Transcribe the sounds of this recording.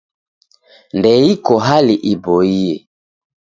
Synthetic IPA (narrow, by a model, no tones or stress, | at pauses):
ndɛikɔɦaliʔibɔiɛ